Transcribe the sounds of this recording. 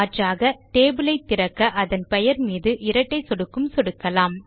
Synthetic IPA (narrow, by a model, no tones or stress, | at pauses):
ɐʈraːɣɐʈeːbɯlɐɪt̪ːɪɾɐkːɐʔɐðɐnpɛjɐɾmiːðɯʔɪɾɐʈːɐɪsɔɽɯkːɯmsɔɽɯkːɐlaːm